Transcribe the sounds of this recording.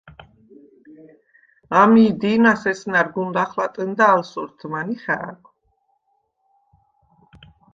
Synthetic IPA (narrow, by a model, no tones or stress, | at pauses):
amiːd̪inasɛsnaɾɡund̪aχlat̪ʼənd̪aːlsuɾt̪ʰmaniχɛ̰a̰kʰʼ